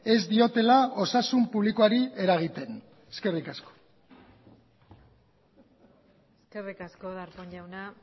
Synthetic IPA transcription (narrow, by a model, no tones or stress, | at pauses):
e̞zd̪io̞t̪e̞lao̞sasumpuβlikoaɾie̞ɾaɣ̞it̪e̞n | eske̞rikasko̥ | eske̞rikasko̞ðaɾpoɲʎawna